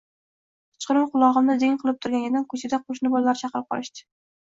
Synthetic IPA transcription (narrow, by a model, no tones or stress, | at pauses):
ɪ̥t͡ʃqɨɾɪmqʊlˠɒʁɨmnɪd̪ɪŋqʰɨlˠɪp̚t̪ʰʊɾɡʲanʲɪd̪ankʰɵt͡ʃʰɪd̪aqʰoʃ̬nɪbolˠːaɾɪt͡ʃʰɑqɨɾɪp̚qʰɒ̰lˠɪʃd̪ɪ̥